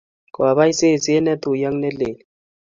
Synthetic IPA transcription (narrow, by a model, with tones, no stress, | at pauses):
kɔ˨a˨βa˦i˦se˦˨si˦ɛ˦nɛ˦t̪u˨ja˦ŋ˦nɛ˦leː˨li